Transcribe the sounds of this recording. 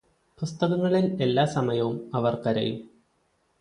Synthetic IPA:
pust̪ɐɣɐŋːɐɭine̞lːaːsɐmɐjɐʋumɐʋɐrkɐɾɐ̰jṵ

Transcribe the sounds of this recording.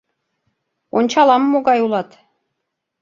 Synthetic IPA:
ont͡ɕɑlˠɑmːoɡɑjulˠɑt̪

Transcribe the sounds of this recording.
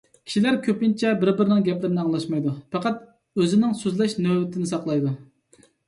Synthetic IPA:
kʲʰi̥ʃilæɾkʲʰøpint͡ʃʰɛbɪɾbɪɾɪnɪŋɡʲɛplɪɾɪnɪɑŋlˠɑʃmɑjd̪upɑqɑt̪ | øzɪnɪŋsøzlɛʃnøbɪt̪ʰɪnɪsɑqlˠɑjd̪u

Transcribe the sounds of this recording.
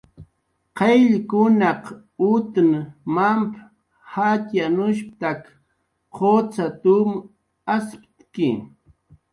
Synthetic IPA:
qejʎkʊnɑq | ʊt̪nmamp | hat̪janʊʃp̚t̪ak | qʰot͡sat̪ʊm | aspt̪kɪ̰

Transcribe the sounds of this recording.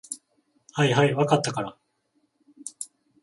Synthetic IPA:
haiɦaiβakat̪ːakaɾa

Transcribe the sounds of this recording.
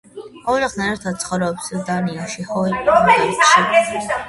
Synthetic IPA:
ɔd͡ʒaχnɛɛɾt̪ʰad̪̚sʰχɔɾɛpsuɾd̪aniaʃihɔɛlʃi

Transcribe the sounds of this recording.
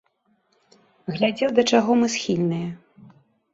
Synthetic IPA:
ɣlʲad͡zʲɛwd̪ɐt͡ʂaɣɔmɨsxʲilʲnɨjɐ

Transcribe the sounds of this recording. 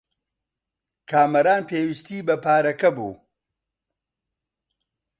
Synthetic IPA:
kʰaːmɐɾaːnpeːwist̪iːbɐpʰaːɾɐkɐbṵː

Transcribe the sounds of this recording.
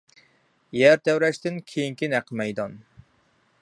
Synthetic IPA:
jæɾt̪ʰɛwɾɛʃt̪ɪnkʲʰejiŋkʲinæqʰəmɛjd̪ɑn

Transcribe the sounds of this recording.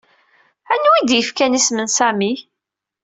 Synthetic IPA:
ænwid̪jəfkænismənsæmi

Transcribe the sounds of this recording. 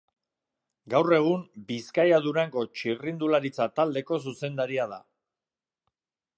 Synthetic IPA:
ɡawre̞ɣ̞umbiskajaðuɾaŋɡo̞t͡ʃirind̪ulaɾit͡sat̪ald̪e̞ko̞s̬use̞nd̪aɾiaða̰

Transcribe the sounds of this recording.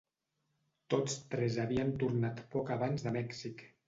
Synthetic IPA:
t̪ot͡st̪ɾɛzaβiənt̪uɾnat̪pɔkaβ̞anzðəmɛksik

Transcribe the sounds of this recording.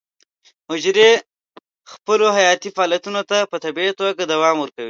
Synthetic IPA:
hʊd͡ʒɾe | xpəloɦajɑt̪ifaɑːlijat̪unot̪apət̪abiat̪oɡad̪awɑmwəɾkawi

